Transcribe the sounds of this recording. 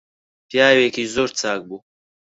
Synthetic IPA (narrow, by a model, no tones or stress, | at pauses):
pjaːweːkizoɾt͡saːk̚bu